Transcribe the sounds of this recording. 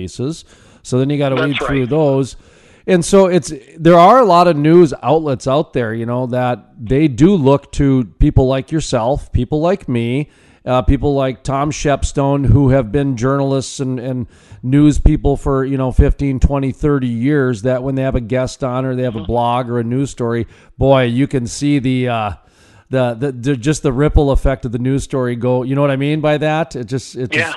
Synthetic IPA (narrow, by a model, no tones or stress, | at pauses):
ɪsɪz̥ | soʊðɨ̃njɨɡɑɾəweɪθɹʉðoʊz | ɨ̃nsoʊɪtsðə˞ə˞əlɔɾʌvnʉza̰ʊtˡlɛtsaʊt̪̚ðə˞jɨnoʊðət̪̚ðeɪdɨlʊk̚tʰɨpipl̩ˠlaɪkjə˞sɛlˠfpʰipl̩ˠlaɪkmi | pipl̩ˠlaɪk̚tʰɑ̃mʃɛpstõʊ̃nɦuɨvbɪ̃nd͡ʒɜ˞nl̩ˠəstsɨ̃nɨ̃nː | ʉz̥pipl̩ˠfə˞jɨñoʊfɪftĩntʰw̥ɛ̃ɾ̃iθɜ˞ɾijɪɹzðɨt̚wə̃nðeɪɨvɨɡɛstn̩ə˞ðeɪɨvəblɑɡə˞ɨnʉz̥stɔɹib̥ɔɪjɨkɨ̃nsiðɨʌ | ðɨðɨðɨd͡ʒʌst̪̚ðəɹɪpl̩ˠəfɛk̚tʌvðɨnʉz̥stɔɹiɡoʊjɨñoʊwʌɾaɪmĩnbaɪðætɨt̚d̥ʒ̥ʌstɨt̚d̥ʒ̥ʌs